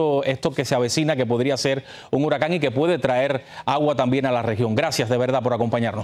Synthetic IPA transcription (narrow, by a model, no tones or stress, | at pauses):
oe̞st̪oke̞seaβe̞sinake̞po̞ðɾiase̞ɾ | uŋuɾakaŋike̞pwe̞ðe̞t̪ɾae̞ɾaɣwat̪ambje̞ŋalare̞xjo̞ŋɡɾasjazðe̞β̞eɾðapo̞ɾako̞mpaɲaɾno